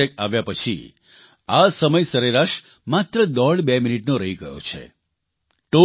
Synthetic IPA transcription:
ek̚aʋjapət͡ʃʰḭ | asəməjsəɾeɾaʃ | mat̪ɾəd̪ɔɽbeminiʈnoɾəɦiɡə̰ɦjo̰t͡ʃʰḛ | ʈo

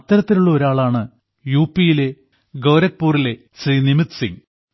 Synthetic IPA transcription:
ɐt̪ːɐɾɐt̪ːiluɭːɐoɾaːɭaːɳɨ | juːpːijile̞ | ɡɐwɾɐk̚puːrile̞ | sriːnimit̪sḭŋ

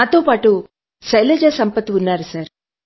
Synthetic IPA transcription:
aːt̪o̞ːpaːʈu | sɐjled͡ʒɐsɐmpɐt̪ːiunːaːɾusɐɾ

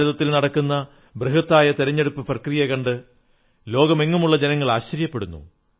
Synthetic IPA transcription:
uðɐt̪ːilnɐɽɐkːunːɐ | breɦɐt̪ːaːjɐt̪iɾɐɲːe̞ɽupːɨprɐkrijɐkɐɳɖɨ | lo̞ːɡɐme̞ŋːumuɭːɐd͡ʑenɐŋːɐɭaːɕːɐɾjɐpːe̞ɽunːṵ

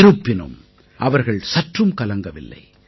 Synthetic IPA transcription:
ɾɯpːɪnɯ̰m | ʔɐʋɐɾɣɐɭsɐʈrɯmkɐlɐŋɡɐʋɪ̰lːɐ̰ɪ

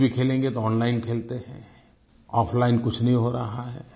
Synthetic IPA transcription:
bʱikʰeːlẽːŋɡet̪oɔːnlaːɪnkʰeːlt̪eɦɛ̃ː | ɔːfʰlaːɪnkʊt͡ʃʰnɐɦĩɦoːɾɐɦaɦɛ̰ː

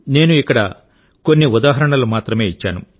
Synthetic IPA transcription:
ne̞ːnuikːɐɽɐ | ko̞nːiud̪aːɦɐɾɐɳɐlumaːt̪ɾɐme̞ːit͡ʃːa̰ːnṵ

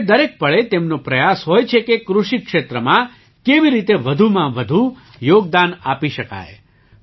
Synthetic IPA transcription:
d̪əɾek̚pəɭet̪emnopɾəjasɦojt͡ʃʰekekɾuʃikʃet̪ɾəmã | keʋiɾit̪eʋəd̪ʱumãʋəd̪ʱu | joɡ̚d̪anapiʃəka̰j

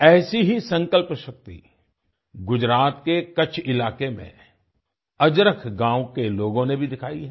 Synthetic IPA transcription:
ɛːsiɦisɐ̃ŋkəlpʃɐk̚t̪ḭ | ɡʊd͡ʒɾaːt̪kekɐt͡ʃʰɪlaːkemḛ̃ | ɐd͡ʒɾəkʰɡãːwkeloːɡõnebʱid̪ɪkʰaːiɦɛ

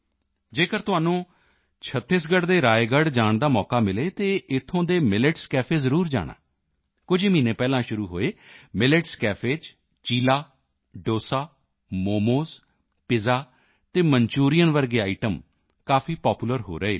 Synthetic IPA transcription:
d͡ʒeːkəɾt̪ʊɦaːnũː | t͡ʃʰət̪ːɪsɡəɽd̪eːɾaːeɡəɖd͡ʒaːɳd̪aːmɔːkaːmɪleːt̪eːʔɪt̪ʰːõːd̪eːmɪlɪʈskɛːpʰeːzəɾuːɾd͡ʒa̰ːɽ̃a̰ː | kʊd͡ʒiːmĩːnẽːpɛːlãːʃʊɾuːɦo̰ːeːmɪlɪʈskɛːpʰeːd͡ʒ | t͡ʃiːlaː | ɖoːsaː | moːmoːz | pɪzaː | t̪eːmənt͡ʃuːɾijənʋəɾɡeːaːɪʈəm | kaːpʰiːpɔːpuːləɾɦo̰ːɾəeː

